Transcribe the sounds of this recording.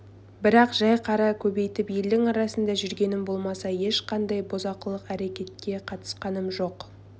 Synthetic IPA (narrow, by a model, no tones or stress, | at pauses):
bɪɾɑqʒɑjqʰɑɾɑkʲʰɵbe̞jt̪ɪpje̞ld̪ɪŋɑɾɑsənd̪ɑʒʏɾɡʲe̞nɪmbo̞lˠmɑsɑje̞ʃqʰɑnd̪ɑjbo̞zɑqəlˠəqæɾe̞kʲe̞t̪̚kʲe̞qʰɑt̪ə̥sqɑnəmʒo̞q